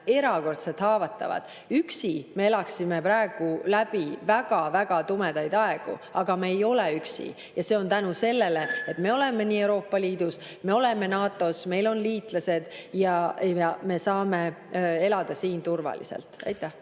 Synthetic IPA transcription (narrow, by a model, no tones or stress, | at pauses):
e̞ɾɑko̞rt̪selt̪hɑːvɑt̪ːˑɑ̰vɑ̰d̪̥ | yksime̞e̞lɑksime̞pɾɑeɡ̥ulæb̥ivæɡ̥ɑvæɡ̥ɑt̪ume̞d̪ɑjd̪̥ɑeɡ̥ṵɑɡ̥ɑmeejo̞leyksḭ | jɑse̞o̞nt̪ænuse̞lːe̞le̞et̪ːˑme̞o̞le̞me̞niːe̞wɾo̞ːpːˑɑliːd̪̥us | me̞o̞le̞me̞nɑːt̪ːˑo̞sme̞jlo̞nliːt̪ˑlɑse̞d̪̥jɑjɑme̞sɑːmee̞lɑd̪̥ɑsiːnt̪urvɑ̰lḭsḛlt̪ˑɑ̰jt̪ːˑæh